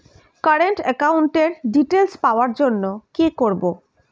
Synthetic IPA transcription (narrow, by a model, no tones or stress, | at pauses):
kaɾeɳʈɛkawɳʈeɾɖiʈelspaoaɾd͡ʑonːokekoɾbo